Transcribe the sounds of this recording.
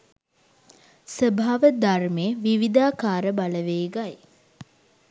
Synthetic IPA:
səbʱaːʋəd̪armeːʋiʋid̪aːkaːɾəbaləʋeːɡaj

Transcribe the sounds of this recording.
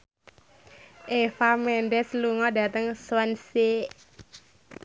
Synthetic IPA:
ʔefamɛnɖɛsluŋɔda̤t̪əŋswanse

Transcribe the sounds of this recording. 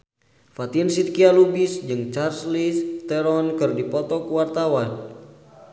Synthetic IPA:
fat̪iənsit̪̚kialubisd͡ʒɨŋt͡ʃarslist̪ɛɾɔnkɨrdipɔt̪ɔkuwart̪awan

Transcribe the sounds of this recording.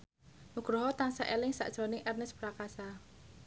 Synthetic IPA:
nuɡ̥ɾoɦɔt̪aŋsaʔelɪŋsa̰ʔd̥ʒ̥ɾɔnɪŋʔɛrnɛspɾakasa

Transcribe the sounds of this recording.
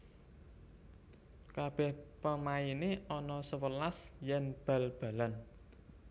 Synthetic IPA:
kab̥ɛ̤hpəmaineɔnɔsəwəlasjɛnb̥a̤lb̥a̤lan

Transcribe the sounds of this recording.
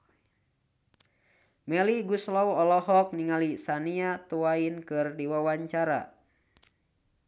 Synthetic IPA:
mɛliɡuslɔwɔlɔɦɔk̚niŋalisaniat̪uwainkɨrdiwawaɲt͡ʃaɾa̰

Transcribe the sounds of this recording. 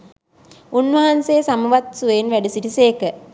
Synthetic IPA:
unʋɐɦansejsamuʋat̪̚suʋenʋæɖisiʈiseːkə

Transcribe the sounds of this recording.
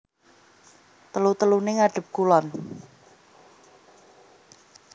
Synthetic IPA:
t̪əlut̪əlunɪŋaɖ̥ə̤p̚kulɔn

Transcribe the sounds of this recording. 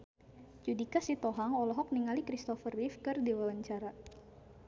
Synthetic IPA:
d͡ʒudikasit̪ɔɦaŋɔlɔɦɔk̚niŋalikɾist̪ɔfərifkɨrdiwawaɲt͡ʃaɾa

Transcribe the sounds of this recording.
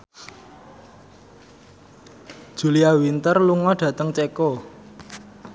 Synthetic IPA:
d̥ʒ̥uliawint̪ərluŋɔɖ̥ä̤t̪əŋt͡ʃeko

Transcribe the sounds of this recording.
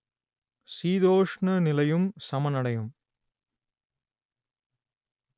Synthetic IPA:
siːd̪oːʂɳɐnɪlɐjumsɐmɐnɐɽɐjum

